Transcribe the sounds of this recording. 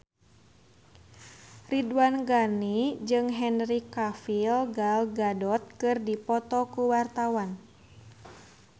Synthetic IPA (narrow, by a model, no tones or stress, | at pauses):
ridwanɡanid͡ʒɨŋɦɛnrikafilɡalɡadɔt̪̚kɨrdipɔt̪ɔkuwart̪awan